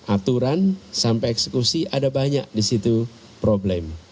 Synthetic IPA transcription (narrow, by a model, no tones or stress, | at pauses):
ʔat̪uɾansampɛɛksəkusiʔadabaɲaʔ̚disit̪u | pɾoblɛm